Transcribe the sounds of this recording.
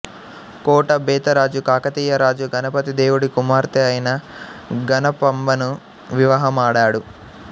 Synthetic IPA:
kɔːʈɐbɛːt̪ɐɾaːd͡ʒukaːkɐt̪iːjɐɾaːd͡ʒuɡɐnɐpɐt̪id̪eːwuɽikumaːɾt̪eɐjnɐɡɐnɐpɐmbɐnu | ʋiʋɐɦɐmaːɽaːɽu

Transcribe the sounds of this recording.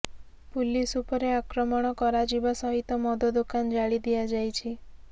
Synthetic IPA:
pulisupɔɾeakɾɔmɔɽ̃ɔkɔɾad͡ʒibasɔɦit̪ɔmɔd̪ɔd̪ukand͡ʒaɭid̪ijad͡ʒajt͡ʃʰi

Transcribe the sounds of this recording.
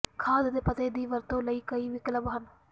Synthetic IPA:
kʰaːd̪d̪eːpət̪eːd̪iːʋəɾt̪õːləiːkəiːʋɪkələbɦən

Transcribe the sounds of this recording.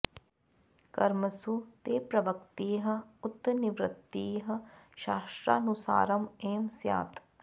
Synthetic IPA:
kɐɾməsut̪eːpɾɐʋəkt̪iːɦɐ̆ʊt̪ːnɪʋɾɪt̪ːiːɦɐ̆ʃaːʃʈɾaːnusa̰ːɾɐmeːmsja̰ːt̪ʰ

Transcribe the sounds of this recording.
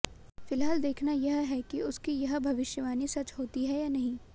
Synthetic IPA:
fɪlɦaːld̪eːkʰnajɐɦɦɛkiʊskijɐɦbʱɐʋɪʃjəʋaːnisɐt͡ʃɦoːt̪iɦɛjaːnɐɦĩː

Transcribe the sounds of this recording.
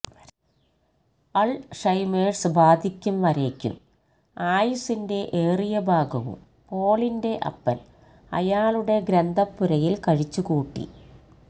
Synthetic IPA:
ɐɭʂɐjmeːɖsbaːd̪ʱikʲːumʋɐɾeːkʲːṵm | aːjusinde̞ʔeːrijɐbʱaːɡɐʋṵm | po̞ːɭinde̞ʔɐ̰pːɐ̰l | ɐ̰jaːluɽe̞ɡɾend̪ʱɐpːuɾɐjilkɐɻit͡ɕːukuːʈːḭ

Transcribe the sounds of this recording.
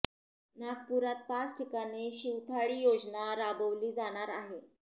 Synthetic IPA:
naɡ̚puɾat̪̚pat͡sʈʰikañiɕiʋt̪ʰaɭiːjod͡znaɾabəʋliːd͡zaɽ̃aɾaɦe

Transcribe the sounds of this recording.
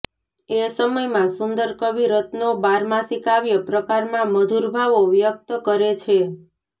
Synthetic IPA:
esəməjmãsund̪əɾkəʋiɾət̪nobaɾmãsikaʋjəpɾəkaɾmãməd̪ʱuɾbʱaʋoʋjək̚t̪əkəɾet͡ʃʰe

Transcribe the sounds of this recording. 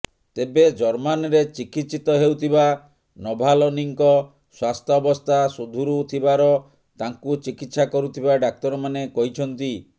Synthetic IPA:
t̪ebed͡ʒɔɾmanɔɾet͡ʃikit̪ːsit̪ɔɦewt̪ʰiba | nɔbʱalɔniŋkɔ | swast̪ʰɔːbɔst̪ʰasud̪ʱuɾut̪ʰibaɾɔ | t̪aŋkut͡ʃikit̪sakɔɾut̪ʰibaɖak̚t̪ɔɾɔmanekɔɦit͡ʃʰɔnt̪i

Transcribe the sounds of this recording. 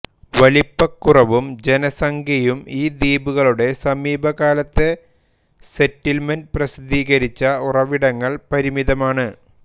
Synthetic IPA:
ʋɐlipːɐkːurɐʋumd͡ʑe̞nɐsɐŋɡʱjɐjumiːd̪iːbuɣɐɭuɽe̞sɐmiːbʱɐɣaːlɐt̪ːe̞ | setːilmendprɐsid̪iːɣɐɾit͡ɕːɐurɐʋiɽɐŋːɐɭpɐɾimiðɐmaːɳɨ

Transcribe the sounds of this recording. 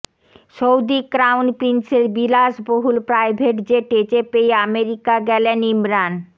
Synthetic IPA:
ʃowd̪ikɾawnpɾinseɾbilaʃboɦulpɾajbʱeʈd͡ʑeʈet͡ɕepejameɾikaɡɛlenimɾan

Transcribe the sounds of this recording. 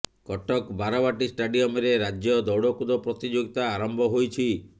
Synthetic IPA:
kɔʈɔkbaɾɔβaʈisʈaɖijɔmeɾeɾad͡ʒjɔd̪ɔwɽɔkud̪ɔpɾɔt̪id͡ʒoɡit̪aːɾɔmbʱɔɦojt͡ʃʰi

